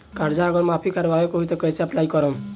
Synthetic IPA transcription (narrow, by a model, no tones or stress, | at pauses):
kaɾd͡ʒaɔɡɔɾmapʰikaɾbabekoɦit̪ɔkəseaplajkɔɾɔm